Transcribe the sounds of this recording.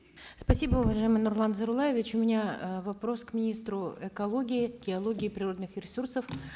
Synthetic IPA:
spɐsʲibəʊvɐʐajɪmɨjnʊrlˠanzəɾʊlˠajɪvʲɪt͡ɕʊmʲɪnʲavɐpɾo̞skmʲɪnʲist̪ɾʊɛkɐlˠoɡʲɪɪɡʲɪɐlˠo̞ɡʲɪːpɾʲɪro̞d̪nɨxɾʲɪsursəf

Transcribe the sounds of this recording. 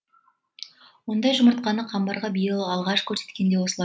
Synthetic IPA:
wo̞nd̪ɑjʒʊməɾt̪̚qɑnəqʰɑmbɑɾʁɑbijəlˠɑlˠʁɑʃkʲʰɵɾse̞t̪kʲe̞nd̪ewo̞səlˠɑ

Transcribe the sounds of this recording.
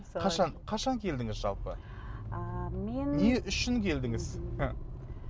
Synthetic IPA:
qʰɑʃɑnqʰɑʃɑŋkʲʰe̞ld̪ɪŋɪzʒɑ̰lˠpə | menneʔʏʃɪŋkʲʰe̞ld̪ɪŋɪz

